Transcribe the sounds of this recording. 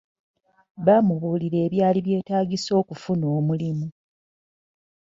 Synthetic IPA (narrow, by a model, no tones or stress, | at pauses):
βamuβuːliɾe̞ːβjaːliβje̞ːtaːɡiso̞ːkufuno̞ːmulimu